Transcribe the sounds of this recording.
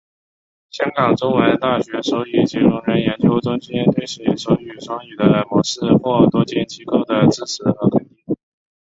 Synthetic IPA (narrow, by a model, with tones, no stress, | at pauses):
ɕjɑ˥ŋkɑ˨˩ŋʈ͡ʂʊ˥ŋwə˧˥nt̪a˥˩ɕɥɛ˧˥ʂo˧˥y˨˩t͡ɕjɛ˧˥ɻʊ˥˩ŋɻə˧˥njɛ˧˥nt͡ɕjo˧˥ʊʈ͡ʂʊ˥ŋt͡ɕi˥njɛ˥nt̪ʰwe˥ɪɕi˥ʂo˧˥y˨˩ʂwɑ˥ŋy˨˩d̪ə˦ə˧˥ɪmwɔ˧˥ʂɹɻ̩˥xwɔ˥˩t̪wɔ˥t͡ɕjɛ˥˩nt͡ɕi˥ko˥ʊd̪ə˨t͡sɹ̩˥˩ʂʰɻ̩˧˥xɤ˧˥kʰə˨˩nt̪i˥˩ŋ